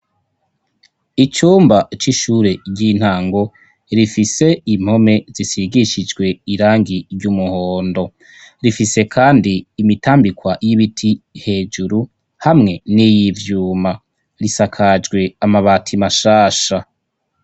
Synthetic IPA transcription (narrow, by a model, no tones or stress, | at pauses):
it͡ʃuːmbat͡ʃiʃuːɾe̞ɟin̥haːŋɡo̞ | ɾifise̞im̥ho̞me̞z̥isiɡiʃid͡ʒɡwe̞iɾaːŋɡiɾɟumuhoːndo̞ | ɾifise̞kʰaːndiːmitaːmbikwajiβitʰihe̞ːd͡ʒuɾu | hamŋe̞nijivjuːma | ɾisakʰad͡ʒɡwe̞amaβaːtʰimaʃaːʃa